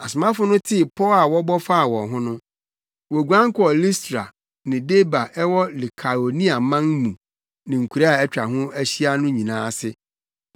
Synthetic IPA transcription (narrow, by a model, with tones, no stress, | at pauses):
a˨sʊ˨mã˦fʊ˦nʊ̃˦tʰɪ˦˨pʰɔ˦la˨wɔ˦bɔ˦fa˦a˨wɔ̃˨ɦʊ̃˦nʊ̃˦ | wɔ˨ɡu˨ã˦ŋ˦kʊ˦ɔ˨li˦stɾa˨ | nɪ̃˨de˦ba˨ʔɛ˦wɔ˦li˨kʰa˨o˨nĩ˦a˨mã˦ŋmũ˨ | nɪ̃˨ŋ̩˨kʰʷu˨ɾa˦a˨ɛ˦t͡ɕᶣa˨ɦʊ̃˦æ˦ɕi˦a˦nʊ̃˦ɲĩ˨nãː˦sɪ˦